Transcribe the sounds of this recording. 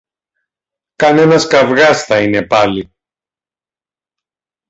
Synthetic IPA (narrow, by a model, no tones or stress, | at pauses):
kɐne̞nɐskɐvɣɐsθɐine̞pɐli